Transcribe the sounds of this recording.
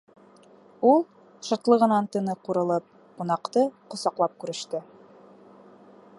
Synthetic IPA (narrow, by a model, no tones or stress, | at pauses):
ulˠ | ʃɑt̪lˠɤʁɤ̆nɑnt̪ɤ̆nɤquɾɤ̆lˠɤp̚ | qunɑqt̪ɤqŏsɑqlˠɑp̚kʉɾɘ̆ʃt̪ɘ